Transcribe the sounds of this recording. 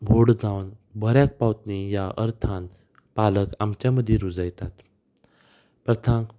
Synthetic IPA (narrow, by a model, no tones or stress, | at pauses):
bʱoɽd͡zawnbʱəɾjak̚pawt̪nejaʔə̰ɾt̪ʰan | paləkamt͡ɕjaməd̪ʱːjeɾud͡zajt̪at̪ | pɾət̪ʰãŋk